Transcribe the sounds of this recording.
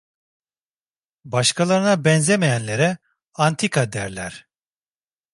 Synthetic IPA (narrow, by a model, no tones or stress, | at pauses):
baʃkʰalˠaɾɯnabɛnzemejænlʲeɾɛ | ant̪ʰikad̪æɾlʲæɾ̥